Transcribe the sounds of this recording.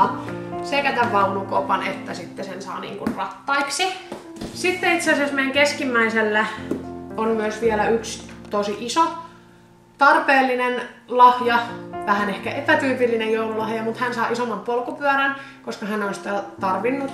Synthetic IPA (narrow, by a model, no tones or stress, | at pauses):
sekæt̪æʋʋɑulukopɑnet̪ːæsit̪ːesensɑ̰ːnḭːŋkṵnrɑt̪ːɑiksi | sit̪ːeit̪seɑsesmeiæŋkeskimːæiselːæ | onmyøsʋielæykst̪osiʔiso | t̪ɑrpeːlːinenlɑhjɑʋæhænehkæepæt̪yːpilːinejjoululɑhjɑmut̪hænsɑːʔisomːɑmpolkupyæɾæn | koskɑhænonsi̥t̪æt̪ɑrʋinːut̪